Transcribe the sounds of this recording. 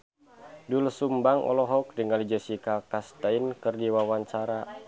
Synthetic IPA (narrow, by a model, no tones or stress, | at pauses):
dulsumbaŋɔ̰lɔɦɔk̚diŋalid͡ʒəsikakast̪ainkɨrdiwawaɲt͡ʃaɾa